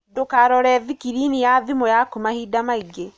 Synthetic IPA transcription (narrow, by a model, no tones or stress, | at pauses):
dokaɾɔɾɛðikiɾinijaðimojakomahiːdamaiɡe